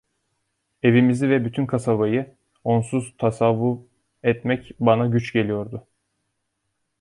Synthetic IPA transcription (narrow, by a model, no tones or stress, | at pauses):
e̞vimizivɛbyt̪ʰynkʰasabajɯ | o̞nsuz̥t̪ʰasavːu | ɛt̪mɛcbanaɟyt͡ʃɟe̞lʲijo̞ɾd̪ʊ